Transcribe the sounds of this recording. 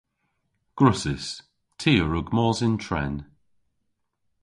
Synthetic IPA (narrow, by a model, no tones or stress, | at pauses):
ɡ̥ɹʊsɪs | tʰiːəɹʊɡmɔːzɪntʰɹɛ̰n